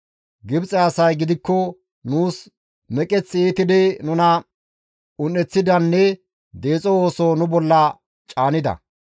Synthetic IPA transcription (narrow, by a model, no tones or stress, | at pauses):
ɡɪbt͡sʼɛɐsɐjɡɪd̪ɪkːɔ | nuːs | mɛkʼɛt͡sːeːt̪ɪd̪ɛnʊnɐ | ʊnɛt͡sːɪd̪ɐnːɛ | d̪e̞ːt͡sʼooːsonʊbɔlːɐ | t͡ʃʼaːnɪd̪ɐ̰